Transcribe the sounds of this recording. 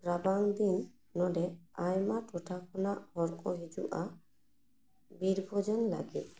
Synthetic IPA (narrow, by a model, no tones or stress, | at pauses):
ɾabaŋd̪inː | ɔɖɛajmaʈɔʈʰakʰɔnaʔhɔɾkɔɦid͡ʒuʔa | biɾbʱɔd͡ʒɔnla̰ɡit̪̚